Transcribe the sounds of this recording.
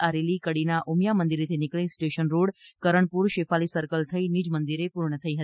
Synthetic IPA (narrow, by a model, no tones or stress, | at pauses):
aɾelikəɽinaʔumjamənd̪iɾit̪ʰinɪkɭĩsʈeʃənɾoɽkəɾəɳpuɾʃefalisəɾkəlt̪ʰəinid͡ʒmənd̪iɾepuɾɳət̪ʰəiɦət̪i